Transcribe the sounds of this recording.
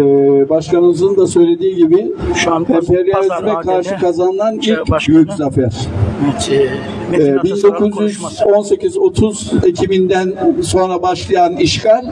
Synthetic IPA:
baʃkʰanɯmɯzɯnd̪asø̞jlʲe̞d̪iːɟibɪ | ɛmpʰɛɾijaɾezimɛkʰaɾʃɯkʰazanɯlˠanilʲcbyjycʲzafæɾ̥ | ɛbind̪o̞kʰuzjyzo̞nse̞cʰizo̞t̪ʰuze̞cʰibind̪ænso̞nɾabaʃlˠajaniʃkʰaɾʲ

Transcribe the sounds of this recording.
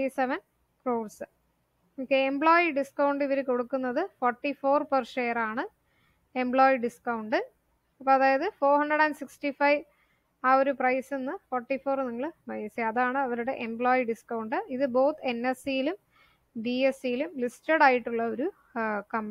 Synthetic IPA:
iseʋɐn | proːɭsɨ | oːkːeembɭo̞ːjiɖiskɐwɳɖiʋɐɾeko̞ɽukːunːɐðɨfoːrʈːifo̞ːrpɐrʂe̞jɐraːɳɨ | embɭoːjiɖiskɐwɳɖɨ | ɐpːoːɐðaːjɐðɨfo̞ːrhɐɳɖrɐɽɐnɖsikstifɐjʋ | aːo̞ɾuprɐjsenːɨfoːrʈːifoːrniŋːɐɭpɐjɐsiɐðaːɳɨɐʋɐɾuɽe̞ʔembɭo̞ːjiɖiskɐwuɳɖɨiðɨbo̞ːt̪ʰːɨenːesijilum | ɖiesijilumlistɐɽaːjiʈːuɭːɐo̞ɾu | kɐmː

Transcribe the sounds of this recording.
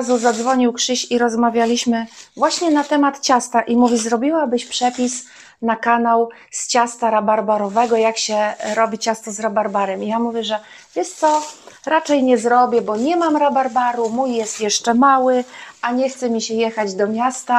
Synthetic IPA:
zuzad̪zvɔɲiwkʂɘɕiɾɔzmavʲjalʲiɕmɘvwaɕɲɛnat̪ɛmat̪t͡ɕast̪aʔimuvʲizɾɔbʲiwabɘɕpʂɛpʲis | nakanaw | st͡ɕast̪aɾabaɾbaɾɔvɛɡɔjakɕɛɾɔbʲit͡ɕast̪ɔzɾabaɾbaɾɛmijamuvʲjɛʐɛ | vʲjɛst̪sɔ | ɾat͡ʂɛjɲɛzɾɔbʲjɛbɔɲɛmamɾabaɾbaɾumujːɛst̪jɛʂt͡ʂɛmawɘʔaɲɛxt̪sɛmʲiɕɛjɛxad͡ʑd̪ɔmʲjast̪a

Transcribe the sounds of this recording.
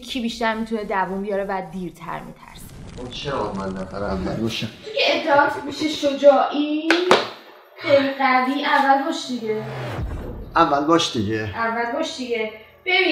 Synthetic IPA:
kʰiːbiːʃt̪æɾmit̪ʰuned̪ævunbijɒːɾevæd̪iːɾt̪ʰæ̰ɾmḭt̪ʰæ̰ɾse̥unt͡ʃʰeɾɒd̪mænːæfæ̰ɾævːælbɒʃikeːt̪ʰːeɒːt̪ʰmiʃeʃod͡ʒɒːʔi | xejliɢæviːʔævːælbɒːʃd̪iɡe | ʔævːælbɒːʃd̪̥iɟeʔævːælbɒːʃd̪iɟe | b̥ebi

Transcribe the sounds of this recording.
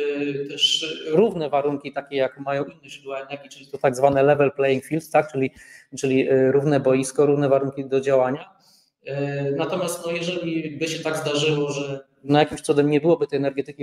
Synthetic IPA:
t̪ɛʂɾuvnɛvaɾuŋkʲit̪akʲɛjakmajɔ̃w̃inːɛzud̪uwaɛnɛɾɡʲit͡ʂlʲit̪ɔt̪aɡzvanɛlɛvɛlplɛjiŋkfʲilt̪t̪ːak̚t͡ʂɘlʲit͡ʂɘlʲiɾuvnɛbɔjiskɔɾuvnɛvaɾuŋkʲid̪ɔd͡ʑawaɲa | nat̪ɔmʲjast̪nɔjɛʐɛlʲibɘɕɛt̪aɡzd̪aʐɘwɔʐɛ | najakʲimft̪sɔd̪ɛmɲɛbɘwɔbɘt̪ɛjɛnɛɾɡɛt̪ɘkʲi

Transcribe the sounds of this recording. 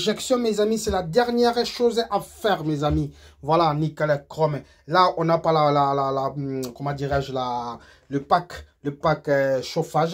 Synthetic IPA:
ʒɛksjɔ̃mezamisɛlad̪ɛʁnjɛʁʃozafɛʁmezami | vwalanikalɛkʁɔm | laɔ̃napalalalalakɔmɑ̃d̪iʁɛʒla | ləpakləpakʃofaʒ

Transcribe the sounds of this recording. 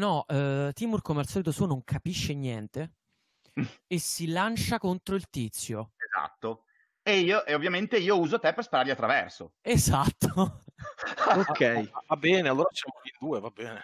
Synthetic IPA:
nɔɛt̪ːimurkomealsɔlit̪osuːonoŋkʰapiʃːenjɛnt̪e | esilant͡ʃakont̪ɾoilt̪it̪sːjoeza̰t̪ːo | eiːoʔeovːjament̪eiːouːzot̪ɛpːerspaɾaɾliat̪ːɾavɛ̰rso̰ezat̪ːo | okʰːɛjaabːɛːnealːoːɾat͡ʃɛmalind̪uːevabːɛːne

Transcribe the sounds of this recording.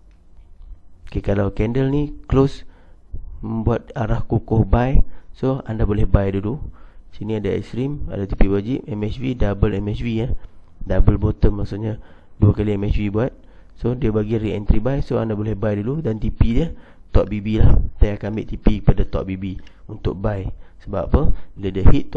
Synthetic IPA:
okekalawkɛndəlniklos | məmbuat̪̚aɾahkukʊhbajsoandabolɛhbajdulusinĩadaɛ̰kst̪ɾima̰dat̪ipiwad͡ʒiʔ̚ɛmɛt͡ʃvidabəlɛmɛt͡ʃwiəh | dabəlbot̪ənmaʔksoʔɲa | duəkaliɛmɛt͡ʃwibuat̪̚ | sodiəbaɡiɾiɛnt̪ɾibajsoandabolɛhbajduludant̪ipidət̪ɔʔ̚bibilaht̪ajakambɪ̰ʔt̪ipikə̥padat̪ɔ̰ʔ̚bibiunt̪ʊ̰k̚bajsəbapəbiladiəhit̪̚ː

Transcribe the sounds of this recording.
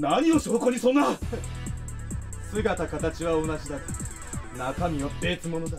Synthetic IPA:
naɲ̟io̞ɕoːkoɲ̟isõ̞nːa | sɨɡat̪akat̪at͡ɕiβao̞naʑid̪aka | nakamʲiope̞ːt͡sɨmo̞no̞d̪a

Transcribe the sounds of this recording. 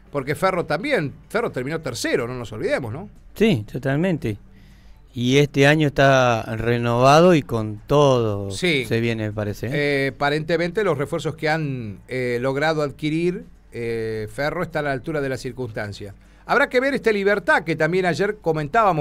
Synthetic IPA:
po̞ɾkeferot̪ambjenferot̪eɾmino̞t̪eɾseɾono̞no̞so̞lβiðemosno̞sit̪ot̪almẽnt̪e | iest̪eaɲoest̪arenoβaðoiko̞nt̪oðosiseβjenepaɾesepaɾe̞nt̪ement̪elo̞srefweɾso̞skeanelo̞ɣɾað̞oaðkiɾiɾ | efero̞est̪anaalt̪uɾað̞e̞lasiɾkunst̪ansja | aβɾakeβeɾest̪eliβeɾt̪aket̪ambje̞naʒeɾko̞mẽnt̪aβamo

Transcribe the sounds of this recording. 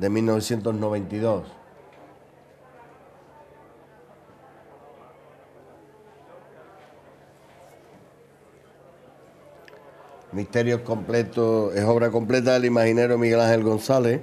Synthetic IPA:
d̪e̞milno̞βe̞sje̞nt̪oɦno̞βe̞nt̪iðo̞s | miht̪e̞ɾjoeko̞mplet̪oeso̞β̞ɾako̞mple̞t̪̬aelimahine̞ɾomiɣe̞lãŋhe̞lɣo̞nsale̞

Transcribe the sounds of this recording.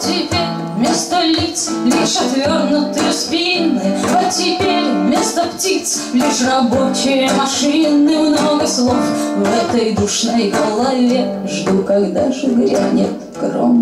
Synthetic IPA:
t̪ʲɪpʲeɾʲ | mʲest̪əlʲit̪slʲiʂat̪vʲornʊt̪ɨjʊspʲinːɨɐtʲɪpʲeɾʲmʲest̪əptʲit̪s | lʲiʂrɐbo̞t͡ɕɪjəmɐʂinːɨmnoɡəslˠofvɛt̪əjd̪ʊʂnojkɐlˠalʲːe | ʐd̪ukaɡd̪aʐɨɡɾʲa̰nʲɪt̪ | kro̰m

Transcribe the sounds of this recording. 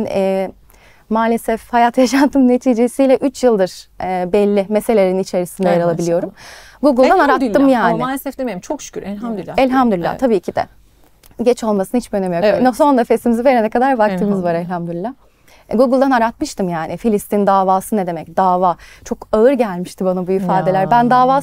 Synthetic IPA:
nɛː | maːlʲesɛfhajat̪ʰjaʃant̪ʰɯmne̞t̪ʰiːd͡ʒesijlʲɛʔyt͡ʃjɯlˠd̪ɯɾ̥ɛːbɛlʲːimese̞lʲeɾinit͡ʃʰe̞ɾisind̪ɛjaɾalˠabilʲijo̞ɾumɡuɡɯlˠd̪anaɾat̪ːɯmjaːnɪlesɛfd̪emieɾimt͡ʃʰokʃy̥cʰʲyɾɛlɦaɛlʲɦamd̪ylʲːa̰t̪ʰabiːcʰid̪ɛ̰ | ɟɛt͡ʃʰo̞lˠmasɯnahit͡ʃbiønemijonoso̞nd̪ˠafesimiziveɾenɛkʰad̪aɾvakt̪ʰɯːmɯzvaɾɛlʲhamd̪ylʲːa | ɡuɡɯlˠd̪anaɾat̪mɯʃt̪ɯmjaːnɪfilʲist̪ind̪aːvaːsɯned̪e̞mɛcd̪aːvaːt͡ʃʰo̞kaɯɾɟælʲmiʃt̪ʰibanabuifaːd̪e̞lʲæɾbænd̪aːvaː

